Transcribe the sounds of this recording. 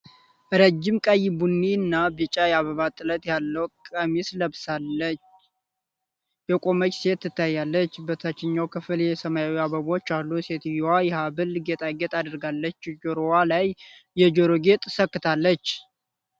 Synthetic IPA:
ʔɾəd͡ʒːɪmkʼəjbunːinːabɛt͡ʃʼajɛaβəβat̪ʼːɨlət̪ʼjalːəwkʼəmisləβsalət͡ʃ | jɛkʼo̞mət͡ʃːse̞t̪ːɨt̪ʰːajːalːət͡ʃːbət̪ʰat͡ʃːɪɲːawkʰɨfljɛsəmajawiaβəβo̞t͡ʃːalːuse̞t̪jwajɛhabɨlɡe̞t̪ʼaɡet̪ʼad̪ɾɡalːət͡ʃːd͡ʒoɾowalajː | ɛd͡ʒoɾoɡe̞t̪ʼsəkːɨt̪ʰalːət͡ʃː

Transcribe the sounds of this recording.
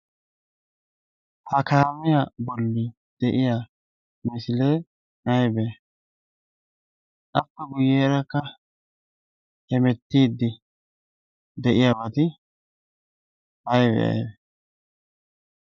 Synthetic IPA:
hɐkaːmɪjabɔlːɪ | d̪̥ɛʔɪja | mɪsɪlɛ | ɐjbɛ | ʔɐpːɛɡʊjeːɾɐkːɐ | hɛmɛt̪ːiːd̪ːɪ | d̪ɛʔɪjabɐt̪ɪ | ʔɐjbɛ̰ɐ̰jb

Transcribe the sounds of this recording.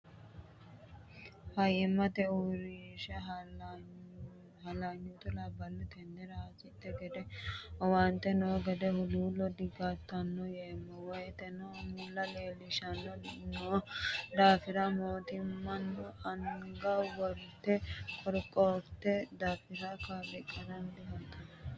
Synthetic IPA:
hɐjɛmːɐt̪ɛuɾiʃɛɦ | hɐlaɲːut̪ʊlɐbɐnːɔt̪ɛnd̪ɛɾɐasɪt̪ːɛɡɛd̪ɛɔwɐnt̪ːɛnoːɡɛd̪ɛhʊluːlɔd̪ɪɡat̪ːɐnːɔjɛmːɔwɔjt̪ɛnɔmɪlːɐleːlːɪʃɐnːɔnod̪aːfɪɾɐmoːt̪ɪmːɐnːɔʔɐŋɡɐwɔɾt̪ːɛkʰʼɔɾkʼːoːt̪ːɛd̪aːfɪɾɐkaːbɛkʼːɐnɐnd̪ɪhɐt̪ɐn

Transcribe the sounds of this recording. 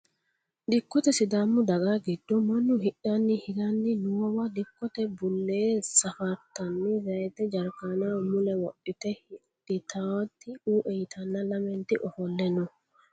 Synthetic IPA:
d̪ɪkːɔt̪ɛsɪd̪aːmːʊd̪ɐɡaɡɪd̪ːɔmɐnːʊhɪʔɐnːɪhɪɡ̪ɐnːɪnʊwɔwad̪ɪkːɔt̪ɛbʊlːeːsɐfɐɾt̪ːɐnːɪzɐjt̪ɛd͡ʒɐɾkanamʊlɛwɔʔɪt̪ɛhɪ | ɪt̪ʰawt̪ːɪuːʔɛjɪt̪ʰɐnːɐlɐmɛnt̪ɪʔɔfɔlːɛnɔ

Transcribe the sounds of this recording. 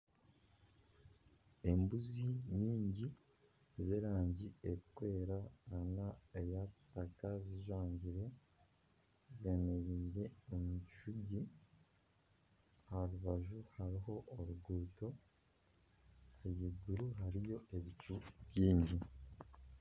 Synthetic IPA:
e̞mbuziɲiːɲɟi | zeɾaːɲɟieikwe̞ːɾaanaejaci̥takaziʒwaːɲɟiɾe̞ | ze̞meɾiːɾe̞omuʃuɟi | haɾuβaʒuhaɾiɦo̞ʔːɾuɡuːto̞ | eɟiɡuɾuɦaɾijo̞ʔe̞βicuβjiːɲɟi

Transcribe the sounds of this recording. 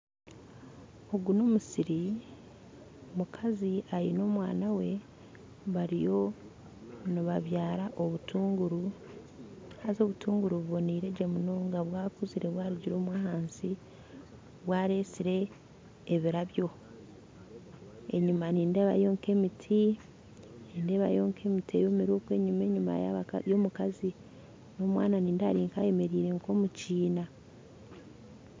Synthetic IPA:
oɡunomusiɾi | mukʰaziaɾino̞mwa̰ːnawe̞ | βaɾijo̞ | noβaβjaːɾaʔo̞βutuːŋɡuɾu | hazo̞βutʰuːŋɡuɾuβuβo̞niːɾe̞ɟemuno̞ːŋɡaβwaːkuziɾe̞βwaːɾiɟiɾo̞ːmwaːhaːnsi | βwaːɾe̞ːsiɾe̞ː | βiɾaβjo̞ | eɲumaniːnde̞ːβa̰jo̞ːŋke̞mitʰi | ninde̞βa̰jo̞ːŋkʰe̞mitiḛjoːmiɾoːkwe̞ɲume̞ːɲuma̰jjo̞mukazi | no̞ːmwa̰ːnaniːndaɾiːŋkaje̞me̞ɾiːɾe̞ŋko̞muciːna

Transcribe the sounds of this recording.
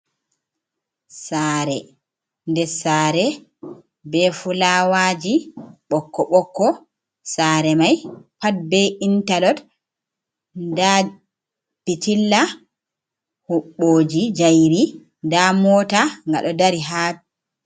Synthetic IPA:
saːɾɛ | ndɛsaːɾɛ | bɛfulaːwad͡ʒiɓɔkːɔɓɔkːɔ | saːɾɛmajpat̚bɛintalɔd | nda | pitilːa | huɓːoːd͡ʒid͡ʒajɾi | ndamɔːtaŋɡa̰ɗɔdaɾiɦa

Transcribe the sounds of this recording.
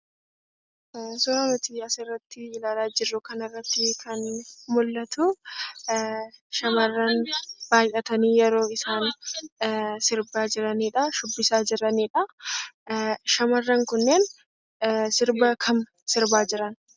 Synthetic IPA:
sʊɐmɪt̪ɪɐsɪrːɐt̪ːɪɪlaːlaːd͡ʒɪrːʊkɐnɪrːɐt̪ːɪkʰɐnmʊlːɐt̪ʊ | ʃɐmɐrːɐnb̥aːjʔɐt̪ɐniːjɛɾo̞ːɪsaːn | sɪɾbaːd͡ʒɪɾɐniːᶑɐʃʊbːɪsaːd͡ʒɪɾɐniːᶑɐ | ʃɐmɐrːɐŋkʊnːeːn | sɪɾbɐkʰɐm | sɪɾbaːd͡ʒɪɾɐn

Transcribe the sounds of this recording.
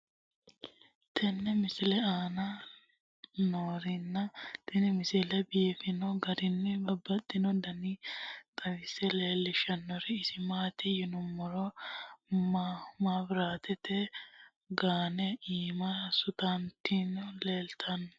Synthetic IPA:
t̪ʰɛnːɛmɪsɪlɛaːnɐ | noːɾɪnːɐt̪ɛnɪmɪsɛlɛbiːfɪnɔɡɐd̪ɪnːɛbɐbːɐt̪ːɪnɔd̪ɐnit̪ʼɐwɪsɛleːlːɪʃɐnːɔɾɪːsɪmaːt̪ɪjɪnʊmɔɾɔ | mamabɪɾaːt̪ɛt̪ɛ | ɡaːnɛiːmɐsʊt̪ant̪inɔleːlt̪ʰɐnːɔ

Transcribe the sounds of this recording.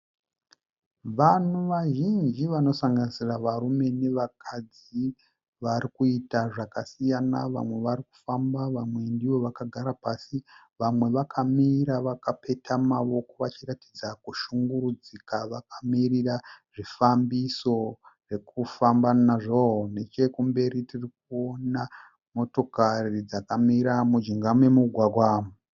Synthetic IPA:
ʋan̤uʋaʒind͡ʒiʋano̞saŋɡanisiraʋaɾume̞ne̞ʋakʰad͡z | i | ʋaɾikuitaʐakasijanaʋa̰mwe̞ʋaɾiku̥fambaʋamwe̞ndiʋo̞ʋakaɡʱaɾapasi | ʋamwe̞ʋakʰamiɾaʋakape̞tʰamaʋo̞ko̞ʋat͡ʃiratid͡zakuʃuŋɡuɾud͡zikaʋakamiriraʐifambiso̞re̞kufambanaʐoɦne̞t͡ʃe̞kumbe̞ɾitirik̚uona | mo̞to̞karid͡zakamiɾamud͡ʒiŋɡamwemuɡʱwaɡʱwaːm

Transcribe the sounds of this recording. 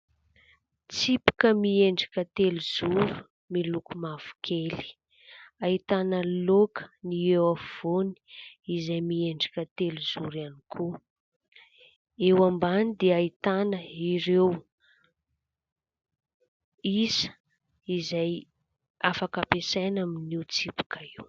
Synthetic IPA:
t͡sipi̥kəmieɳɖ͡ʐḁkʲət̪eluz̥uɾu̥ | milukumav̥u̥kʰeli̥ | ait̪anəlokə̥niewav̥oni̥izajmieɳɖ͡ʐḁkʲət̪eluz̥uɾanikʰu | ewambanid̪eait̪anəiɾew | isə̥ | izaj | afakapesajnaminiwt͡sipu̥kʰaiw

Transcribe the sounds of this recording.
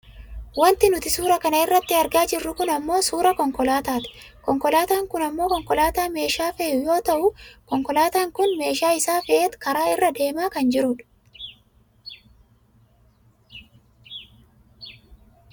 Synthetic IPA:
wɐnt̪ɪnʊt̪ɪsuːɾɐkɐnɐɪrːɐt̪ːɪɐɾɡaːd͡ʒɪrːʊkʊnɐmːo̞ːsuːɾɐkɔŋkɔlaːt̪aːt̪ɪ̥ | kɔŋkɔlaːt̪aːŋkʊnɐmːo̞ːkɔŋkɔlaːt̪aːme̞ːʃaːfɛjʊjo̞ːt̪ɐʔʊkɔŋkɔlaːt̪aːŋkʊnme̞ːʃaːɪsaːfɛʔeːt̪kɐɾaːɪrːɐd̪e̞ːmaːkɐnd͡ʒɪɾʊᶑ

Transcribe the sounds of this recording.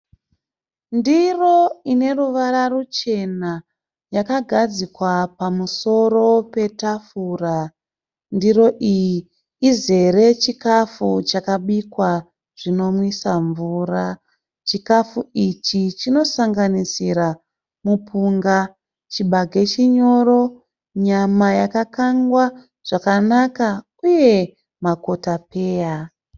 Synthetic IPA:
ndiro̞ine̞ruʋaɾarut͡ʃe̞na | jakaɡʱad͡zikwapamuso̞ro̞pe̞tafura | ndiro̞ʔijiː | ze̞ɾe̞t͡ʃikafut͡ʃakaɓikwa | ʐ̥ino̞mwisaɱvura | t͡ʃikafuit͡ʃit͡ʃino̞saŋɡanisiɾa | mupʰuŋɡa | t͡ʃiɓaɡʱe̞t͡ʃiɲo̞ɾo̞ | ɲamajakakaŋɡwa | ʐ̥akanaka | uje̞ | mako̞tape̞ːja

